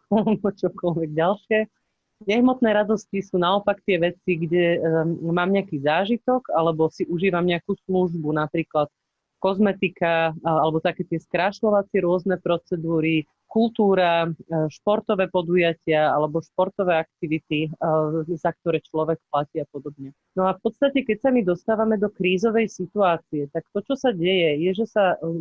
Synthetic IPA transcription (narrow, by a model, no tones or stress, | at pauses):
alɛbɔt͡ʃɔkɔlʋɛɡ̚ɟalʃɪɛ | ɲɛɦmɔt̪nɛːɾad̪ɔscisuːnaɔpakt̪ɪɛʋɛt͡siɡɟɛmaːmɲɛakiːzaːʒit̪ɔɡalɛbɔsiʔuʒiːʋamɲɛakuːsluʒbunapɾiːklat̪ | kɔzmɛt̪ikaalɛbɔt̪akɛːt̪ɪɛskɾaʃlɔʋat͡sɪɛɾʊɔznɛpɾɔt͡sɛd̪uːɾi | kulˠt̪uːɾaʃpɔɾt̪ɔʋɛːpɔd̪ujacɪaalɛbɔʃpɔɾt̪ɔʋɛːak̚t̪iʋit̪i | zak̚t̪ɔɾɛːt͡ʃlɔʋɛkplaciːapɔd̪ɔbɲɛ | nɔafpɔt̪st̪acɛkɛcsamid̪ɔst̪aːʋamɛd̪ɔkɾiːzɔʋɛjsit̪uaːt͡siɛt̪akt̪ɔt͡ʃɔsaɟɛjɛjɛʒɛsa